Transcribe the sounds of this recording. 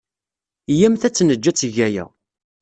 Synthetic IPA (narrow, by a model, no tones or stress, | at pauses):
jæmθæt͡sːnəd͡ʒːæt͡sːʝæjæ̰